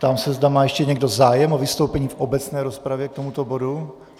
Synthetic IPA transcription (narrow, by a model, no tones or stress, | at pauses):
t̪amsɛzdamaːjɛʃcɛɲɛɡdo̞zaːjɛmovɪst̪o̞wpɛɲiːfʔobɛt͡snɛːɾospɾavjɛk̚t̪o̞mut̪obo̞du